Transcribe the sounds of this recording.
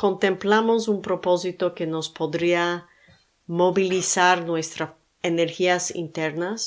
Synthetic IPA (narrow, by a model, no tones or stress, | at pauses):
kont̪e̞mplamo̞s̬umpɾo̞po̞s̬it̪o̞ke̞no̞spo̞ðɾia | mo̞βilisaɾnwe̞st̪ɾa | eneɾxiasḭnt̪eɾnas